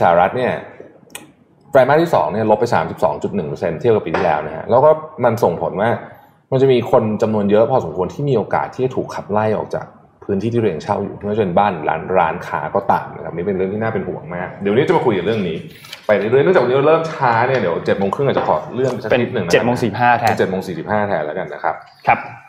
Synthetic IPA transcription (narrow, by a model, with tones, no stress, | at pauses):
saː˩˧ɾa˦˥t̪̚ni˥˩ɐ | fɾaː˧jmaː˥˩t̪ʰiː˥˩sɔ̰ː˩˦ŋni˥˩ɐlo˦˥p̚ːa˧jsaː˩˦msi˨˩p̚sɔ̰ː˩˦ŋt͡ɕu˨˩t̪̚nɯ˨˩ŋpʰɤ˧se˧nt̪ʰi˥˩p̚ka˨˩piː˧˩t̪ʰi˥˩lɛː˦˥wna˦˥kʰa̰˧˥ʔlɛː˦˥wkɔː˥˩ma˧nso˨˩ŋpʰo˩˦nwaː˥˩ | ma˧nt͡ɕa˨˩miː˧kʰo˧nt͡ɕa˧mnu˧ənjɤ˦˥pʰɔː˧so˩˦mkʰu˧ənt̪ʰiː˥˩miː˧ʔoː˧ka̰ː˨˩t̪ʰːiː˥˩t͡ɕa˨˩t̪ʰuː˨˩kʰːa˧˩p̚la˥˩jʔɔ̰ː˨˩k̚t͡ɕa̰ː˨˩k̚ | pʰɯː˦˥nt̪ʰiː˥˩iː˥˩ɾe˧ŋt͡ɕʰa˥˩wjṵː˨˩˥t͡ɕa˨˩pe˧nbaː˥˩nɾa̰ː˦˥nɾa̰ː˦˥nkʰa̰ː˦˥kɔː˥˩t̪a̰ː˨˩mna˦˥ka˦˥p̚ni˦˥e˧nɾɯ˥˩ŋt̪ʰiː˥naː˥˩pe˧npʰu˨˩˦ɐ˦ŋmaː˥˩k̚di˨˩˦wni˦˥t͡ɕa˨˩ma˧kʰu˧jka˨˩ɾɯ˥˩əŋniː˦˥ | pa˧ja˦˩jɾɯ˥˩ŋn˥˩˨a˨˩wni˦˥˧lɤː˥˩mt͡ɕʰaː˦˥ni˥˩ɐdi˩˦əwt͡ɕe˨˩t̪̚mo˧ŋkʰɯ˥˩ŋa˨˩t͡ɕa˨˩kʰɔ̰ː˨˩ɾɯ˥˩əŋpa˧jsa˥kʰːi˦˥t̪̚nɯ˨˩ŋna˦t͡ɕe˨˩˦mo˧ŋsːhaː˥˩˧t͡ɕe˨˩t̪̚mo˧ŋsiː˨˩si˨˩p̚haː˥˩t̪ʰɛː˧lɛː˦˥ka˧nːa˦˥kʰa˦˥p̚ | kʰa˦˥